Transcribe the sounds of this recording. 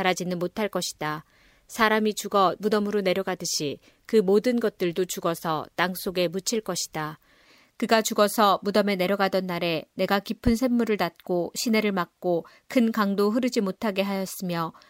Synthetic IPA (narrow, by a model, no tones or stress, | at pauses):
aɾad͡ʑinɯnmotʰaɭk͈ʌɕʰi̥d̥a | sʰaɾamit͡ɕuɡʌmudʌmɯɾone̞ɾjʌɡadɯɕʰi | kɯmodɯnɡʌt̚t͈ɯɭdot͡ɕuɡʌsʰʌtaŋs͈oɡe̞mut͡ɕʰiɭk͈ʌɕʰi̥d̥a | kɯɡat͡ɕuɡʌsʰʌmudʌme̞ne̞ɾjʌɡadʌnːaɾe̞ne̞ɡakipʰɯnsʰe̞mːuɾɯɭtat̚k͈oɕʰine̞ɾɯɭmak̚k͈o | kʰɯnkaŋdoɦɯɾɯd͡ʑimotʰaɡe̞ɦajʌs͈ɯmjʌ